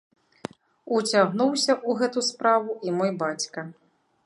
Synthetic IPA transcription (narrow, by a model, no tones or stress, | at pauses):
ut͡sʲaɣnuwsʲɐʔuɣɛt̪uspɾavuimɔjbat͡sʲkɐ